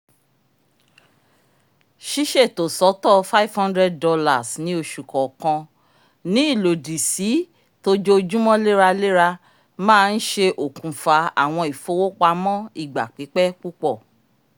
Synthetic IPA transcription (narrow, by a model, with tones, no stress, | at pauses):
ʃi˦ʃɛ˦˨to˨sɔ˨˦tɔ˦˨fa˦i˨vhã˦ndɾɛ˦d̚dɔ˧la˨snĩ˦o˧ʃu˨kɔ˨kɔ̃˧ | nĩ˨˦i˦˨lo˨di˨si˨˦ | to˦d͡ʒo˦˧d͡ʒũ˦mɔ̃˦le˦ɾa˧le˦ɾa˧ | mãː˦˧n̩˦ʃe˧ʔo˨kũ˨fa˧a̰˨w̃ɔ̃˧i˨fo˨˦wo˦k͡pa˧mɔ̃˦i˨ɡ͡ba˨k͡pi˨˦k͡pɛ˦k͡pu˦k͡pɔ˦˨